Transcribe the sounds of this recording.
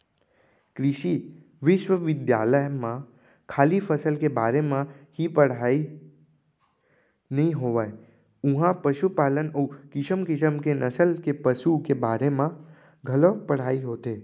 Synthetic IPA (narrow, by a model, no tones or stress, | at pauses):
kɾɪʃi | ʋɪʃʋəʋɪd̪ja̰ːləjmã | kʰaːlifʰəsəlkebaːɾemãhipəɽ̤ai | nəɦĩɦoːʋae | ũɦãpəʃupaːlənokɪʃəmkɪsəmkenəsəlkepəʃukebaːɾemã | ɡʱəlopəɽ̤aːiɦoːt̪eː